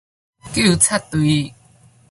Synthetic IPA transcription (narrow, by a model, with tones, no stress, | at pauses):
ki˥˩˨t͡sʰa˥˩t̪wi˨˦